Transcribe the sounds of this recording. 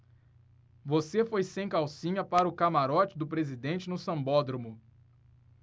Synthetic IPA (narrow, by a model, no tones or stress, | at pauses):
vosefojsẽj̃kawsĩɲɐpaɾɐʊkamaɾɔt͡ʃɪd̪ʊpɾezid̪ẽnt͡ʃɪnʊsɐ̃bɔd̪ɾomʊ